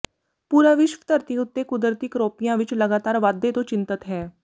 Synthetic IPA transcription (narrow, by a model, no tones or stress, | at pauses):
puːɾaːʋɪʃʋə̥t̪əɾt̪iʊt̪ːekʊd̪əɾt̪ikɾoːpijãʋɪt͡ʃlɐɡaːt̪aːɾʋaːd̪ːet̪ot͡ʃɪ̃nt̪ət̪ɦɛː